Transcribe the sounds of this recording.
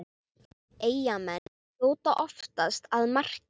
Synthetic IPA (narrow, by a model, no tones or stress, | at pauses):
eːjamɛn | oːwt̪aʔɔft̪ast̪aðmar̥c